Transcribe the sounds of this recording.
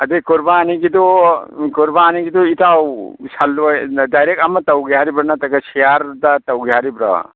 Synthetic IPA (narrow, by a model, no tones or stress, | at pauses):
ɐd̪ekuɾbaːniɡid̪okuɾbaːniɡid̪uit̪awsɐlːɐd̪ajɾekɐmɐt̪ɐwɡjaːɾibɾɐnat̪ɐkɐsijaɾd̪ɐt̪ɐwɡjaːɾibɾɐ̰